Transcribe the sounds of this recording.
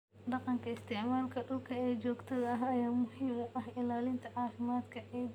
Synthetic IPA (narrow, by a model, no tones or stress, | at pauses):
ɖɑqɑŋkʰɐɪst̪ʰɛʕmaːlkʰɐɖʊlkʰɐɛːd͡ʒɔːɡt̪ʰɐðɐɐɦɐjaːmʊhiːmʊʔɐhɪlaːlɪnt̪ʰɐʕɑːfɪmaːd̪kʰɐʔɛː